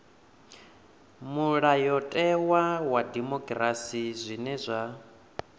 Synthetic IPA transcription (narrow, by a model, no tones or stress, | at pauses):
muɺajɔtʼɛwawadimɔkʼrasizʷinɛzʷa